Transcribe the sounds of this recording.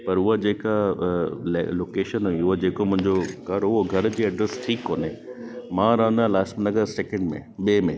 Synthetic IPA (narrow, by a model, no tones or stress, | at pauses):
pɐɾʊɦad͡ʑeːka | lḛloːkeːʃənɦuiʊɦad͡ʑeːkomʊ̃ɪ̃ɲd͡ʑokɐɾʊɦoɡʱɐɾd͡ʑiːɐɖɾesʈʰiːkɦoːnemãːɾɐɦə̃nd̪ãlaːsʈmənɐɡəɾseːkɛ̃ɳɖmḛ̃ɓeːmḛ̃